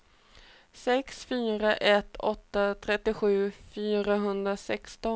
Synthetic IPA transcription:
sɛksfyːɾaʔɛt̪ʰːɔt̪ːat̪ʰɾɛt̪ːɪɧʉ̟ːfyːɾaɦɵnd̪ɾasɛkst̪ɔ

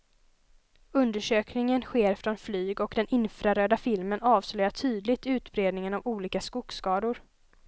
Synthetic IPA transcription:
ɵnd̪əʂøːknɪŋənɧeːɾfɾɔnflyːɡɔkd̪ɛnʔɪnfɾaɾøːd̪afɪlmənɑːvslœjaʈʰyːd̪lɪt̪ʉ̟ːt̪bɾeːd̪nɪŋənavuːliːkaskʊkskɑːd̪ʊɾ

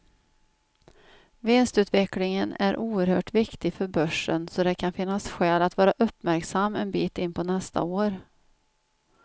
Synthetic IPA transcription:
vɪnst̪ʉ̟ːt̪vɛklɪŋənæ̰ɾʔuːəɾhœːʈvɪkt̪ɪfœɾbœʂənsɔd̪ɛkʰanfɪnːasɧɛːlat̪vɑːɾaʔɵpːmæɾksamːɛnbiːt̪ɪnːpʰɔnɛst̪ʰa̰oːɾ

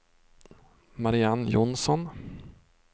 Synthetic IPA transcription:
maɾɪanjɔnsɔn

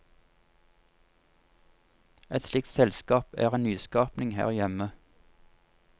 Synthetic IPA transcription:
ʔɛt̪slɪk̚t̪sɛlskɑːpæ̰ːʁeːnyːskɑːpnɪŋhæ̰ːʁjɛmə

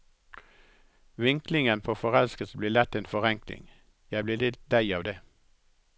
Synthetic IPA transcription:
ʋɪŋklɪŋənpʰoːfɔʁɛlskəsəbliːlɛt̪ːeːnfɔʁɛŋklɪ̰ŋ | jæɪbliːlɪt̪̚d̪æɪɑːʋd̪eː

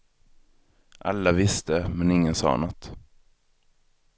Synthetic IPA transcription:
ʔa̰lːavɪst̪əmɛnɪŋːənsɑ̰ːnɔt̪ː

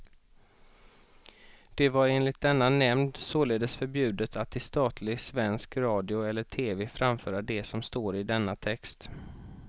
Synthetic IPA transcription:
d̪̥ɛvaɾeːnlɪt̪̚d̪ɛnːanɛmnd̪soːleːd̪əsfœɾbjʉ̟ːd̪ət̪ʰat̪ːɪst̪ɑːt̪ʰlɪɡsvɛnskɾɑːd̪ɪʊɛlːəʈʰeːveːfɾamfœːɾaɖɛsɔmst̪oːɾɪd̪ɛnːat̪ʰɛkst̪

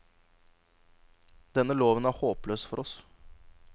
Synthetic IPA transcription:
d̪ɛnːəloːʋənæːɾhoːpløːsfɔɾɔs

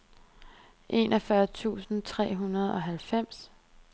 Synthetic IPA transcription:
ʔe̝ːnʔɒfɶɐt͡sʰṵːsn̩t͡sʰʁɛ̰ːɦunɐð̞ˠɒ̽ɦælfem̰s

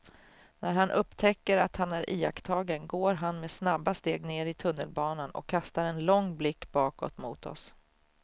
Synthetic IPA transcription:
næɾɦanʔɵpːt̪ʰɛkːəɾat̪hanæɾʔiːa̰kt̪ʰɑːɡənɡoːɾɦanmeːsnabːast̪eːɡneːɾɪt̪ʰɵnːəlbɑːnanɔ̰kʰːast̪aɾɛnlɔŋːblɪkːbɑːkɔ̰t̪mṵːt̪ɔ̰s

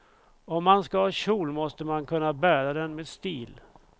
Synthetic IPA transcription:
ɔmːanskahɑːɕuːlmɔst̪əmankʰɵnːabæːɾad̪ɛnmeːd̪st̪iːl

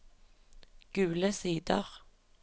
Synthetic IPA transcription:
ɡ̥ʉːləsiːd̪ə̰ʁ

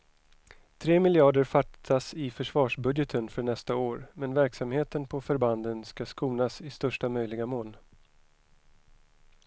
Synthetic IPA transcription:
t̪ʰɾeːmɪlɪɑːɖəɾfaʈʰasɪfœʂvɑːʂbɵd̪jət̪ʰənfœɳɛst̪aoːɾmɛnvæɾksamheːt̪ənpʰɔfœɾband̪ənskaskuːnasɪst̪œʂʈamœjlɪɡamoːl

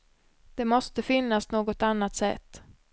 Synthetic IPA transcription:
d̪̥ɛmɔst̪əfɪnːasnoːɡɔt̪anːat̪sɛ̰t̪ː

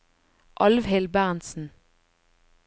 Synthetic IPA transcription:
ʔɑlʋhɛlbæːnsn̩

